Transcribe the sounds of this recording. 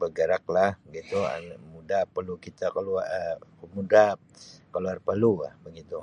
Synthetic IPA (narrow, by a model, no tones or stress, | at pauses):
bəɡəɾak̚lahbəɡit̪ṵmudapəlukit̪akaluəəmuda | kaluarpəluabəɡit̪u